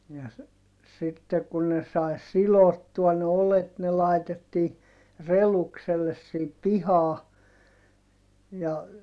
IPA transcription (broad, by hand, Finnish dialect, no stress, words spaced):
jɑ s sitːe ku ne sɑi̯ silotːuɑ ne olet ne lɑitetːiː relukselːes siːp pihɑː jɑ